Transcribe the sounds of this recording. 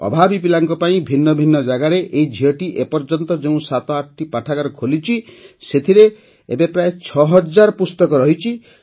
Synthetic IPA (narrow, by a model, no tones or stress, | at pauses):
ɔ̰bʱabipilaŋkɔpaĩbʱinːɔbʱinːɔd͡ʒaɡaɾeʔeid͡ʒʱiɔʈiʔepɔɾd͡ʒɔnt̪ɔd͡ʒeũsat̪ɔaʈʰʈipaʈʰakaɾɔkʰolit͡ʃʰiset̪ʰiɾe | ebepɾaet͡ʃʰɔɦɔd͡ʒaɾpust̪ɔkɔɾɔɦit͡ʃʰi